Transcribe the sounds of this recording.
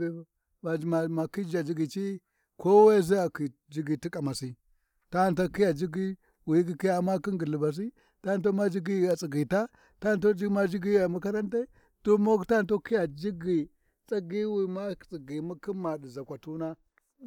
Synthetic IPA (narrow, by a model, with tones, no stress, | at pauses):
ma˨ma˨ma˨ki˦d͡ʒa˨d͡ʒi˦ɡi˨t͡ʃi˦ | ko˦wa˦za˦a˨ki˨ | d͡ʒi˦ɡi˨ti˦kʼa˨ma˨si˦ | ta˦˨nta˦ki˦ja˨d͡ʒi˦ɡi˦ | wi˨˦k̬i˨ki˦ja˨ma˦ki˦ŋɡi˨li˨ba˨s̬i˦ | ta˦˨nto˦ma˦d͡ʒi˦ɡi˦˨a˨t͡si˨ɡi˨ta˦ | ta˦˨nto˦d͡ʒi˦ma˦d͡ʒi˦ɡi˦ja˨mu˦ka˦ɾa˦nta˦ | d̥o˦mo˦kta˦˨˦to˦ki˦ja˨d͡ʒi˦ɡi˨ | t͡sʼa˦ɡi˦wi˨ma˦˨t͡sʼi˨ɡi˨mu˦ki˦ma˨ɗi˨za˨kʷa˨tu˦na˦